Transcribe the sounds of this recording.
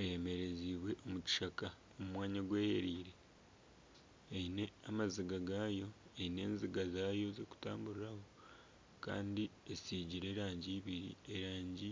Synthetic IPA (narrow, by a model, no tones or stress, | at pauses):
ejeme̞ɾe̞ziβwe̞ʔomuci̥ʃaka | omumwaːɲaɡwe̞ːheɾiːɾe̞ | ine̞amaziɡaɡaːjo̞eine̞ːnziɡazaːjo̞zeku̥taːmbuɾiɾaho̞ | ka̰ːndiesiɟiɾe̞ːɾaːɲɟiβiɾḭeɾaːɲɟi